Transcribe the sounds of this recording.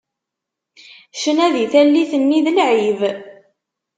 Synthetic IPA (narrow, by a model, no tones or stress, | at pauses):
ʃənæðiθælːiθənːiðəlʕiv